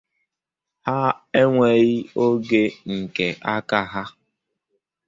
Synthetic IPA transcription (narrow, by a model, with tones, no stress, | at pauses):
ha˦e˦ŋʷe˨ɣi˦o˦ɡe˦ŋ̩˨ke˨ʔa˦ka˦ɦa˦